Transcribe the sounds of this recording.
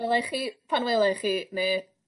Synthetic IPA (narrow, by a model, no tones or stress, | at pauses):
lˠɛχiːpʰanwelˠɛχiːneː